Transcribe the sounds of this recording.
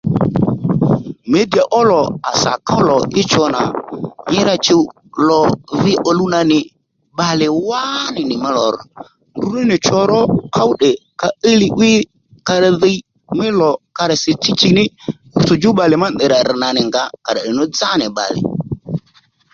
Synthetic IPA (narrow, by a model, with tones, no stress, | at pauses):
me˦di˨a˨ʔɔ˦lɔ˨a˨sa̰˨ka˦lɔ˨ɪ˦t͡ʃɔ˧na̰˨ɲɪ˦ɾa˦t͡ʃɪ˦ | lɔ˨ðɪ˦ʔɔ˨lu˦na˧nɪ˨ | ba˨lɪ˨wa˦nɪ˨nɪ˨mɛ˦lɔ˨ɾɔ˨ | ndu˦nɪ˦nɪ˨t͡ʃɔ˦ɾɔ˦ka˦wɗɛ˨ka˦i˦lɪ˦ʔɪ˦ | ka˧ɾa˨ði˦ | mɪ˦lɔ˨ka˧ɾɛ˨sɪ˨t͡ʃi˦t͡ʃi˦nɪ˦ | u˦t͡sʊ˨d͡ʒʊ˦ɓa˨lɪ˨ma˦˨ɪ˨ɾa˨ɾɪ˨na˨nɪ˨ŋɡa˦ka˨ɾa˨ɗɪ˨nɔ˦d͡za˦nɪ˨ɓa̰˨lɪ̰˨